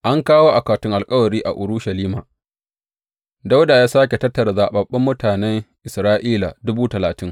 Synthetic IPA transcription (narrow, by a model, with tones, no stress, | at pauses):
ʔa˦ŋkaː˦woː˦ʔa˨kaː˨tʊ˦ŋʔa˨lkʼɐ˦wɐ˨ɾiː˦ʔa̰˨ʔʊ˨ɾuː˦ʃa˨liː˦ma̰ː˨ | da˦wda˨jaː˦saː˦kʲe˨tɐ˦tːɐ˨ɾa˨zaː˨ɓɐ˨ɓːɐ˦mːʊ˦taː˨nɛ˦ŋʔɪ˨sɾaː˦ʔiː˦la̰˨dʊ˦buː˦tɐ˨laː˨tɪ˦ŋ